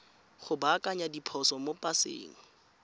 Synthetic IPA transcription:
χʊbakʼaɲadipʰɔsɔmopʼasḛːŋ̩

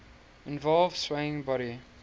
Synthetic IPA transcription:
ɪ̃nvɔlˠvsweɪɪ̃ŋbɔɾi

